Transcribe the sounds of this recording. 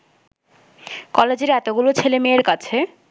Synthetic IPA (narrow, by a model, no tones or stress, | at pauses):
kɔled͡ʑeɾɛt̪oɡulot͡ɕʰelemeːɾkat͡ɕʰe